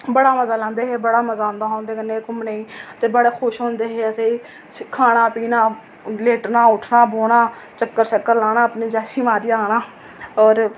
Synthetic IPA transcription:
bəɽaːməzaːlãːnd̪eːɦeːbəɽaːməzaːõːnd̪aːɦõːnd̪eːkənːeːkʊmneːiːt̪eːbəɽeːxʰʊʃɦõːnd̪eːɦeːəseːiː | kʰaːɽ̃aːpiːnaː | leːʈnaːʊʈʰnaːboːɽ̃aː | t͡ʃəkːəɾt͡ʃəkːəɾlaːɽ̃aːəpneːd͡ʒaːʃiːmaːɾiːaːɽ̃aː | ɔːɾ

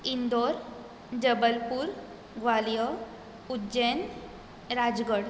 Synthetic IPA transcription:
ind̪oɾ | d͡ʑəbəlpuːɾ | ɡʋaljə | udd͡ʑen | ɾad͡zɡəɽ

